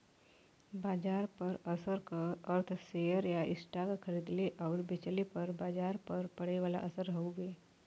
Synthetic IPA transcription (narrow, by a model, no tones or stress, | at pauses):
baːd͡ʒaːɾpəɾəsəɾkəəɾt̪ʰsejəɾjaʔɪsʈaɡkʰəɾid̪leʔaʊɾbet͡ʃəlipəɾbaːd͡ʒaːɾpəɾpəɽeʋaːla̰ʔəsəɾɦəwɡeː